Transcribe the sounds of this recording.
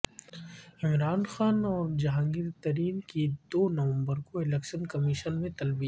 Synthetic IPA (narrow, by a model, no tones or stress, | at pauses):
ɪmɾaːnxaːnɔːɾd͡ʒɐɦãːŋɡɪɾt̪ɐɾiːnkid̪oːnɐʋə̃mbəɾkoɪlɛkʃənkɐmiʃənmẽt̪ɐlbiː